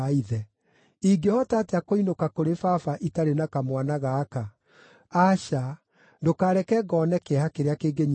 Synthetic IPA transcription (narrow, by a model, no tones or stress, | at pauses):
aiðɛ | iɡehɔtaːteakoinokakoɾefafaʔitaɾenakamwanaɣaːka | aʃa | ndokaːɾɛkɛɡɔnɛkehakeɾeakeːɡeɲ